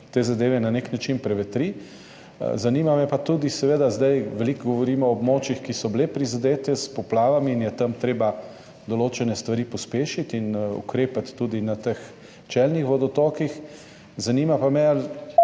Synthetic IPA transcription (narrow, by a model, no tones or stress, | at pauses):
t̪eːzad̪eːʋɛnaneknat͡ʃinpɾɛʋɛt̪ɾḭ | zaniːmamɛpat̪ud̪isɛʋeːd̪azd̪ajʋɛlikɡɔʋɔɾiːmɔːbmoːt͡ʃixkisɔblepɾizad̪eːt̪ɛspɔplaːʋamiːnjɛt̪ɐmt̪ɾeːba | d̪ɔloːt͡ʃɛnɛst̪ʋaɾiːpɔspeːʃit̪inṵkɾeːpat̪ːud̪inat̪əx | t͡ʃɛlnixʋɔd̪ɔt̪ɔːkix | zanimapamɛal